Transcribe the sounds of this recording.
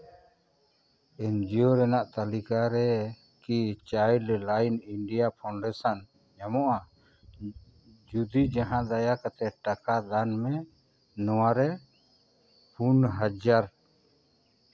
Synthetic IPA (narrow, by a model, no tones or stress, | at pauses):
ɛnd͡ʒiɔɾɛnaʔt̪alikaɾɛ | kit͡ʃajɖɾɛlajniɳɖijapʰaɳɖɛsan | ɲamɔʔa | d͡ʒud̪id͡ʒaɦãd̪ajakat̪ɛʈakad̪anmɛ | nɔwaɾɛ | punɦad͡ʒaɾ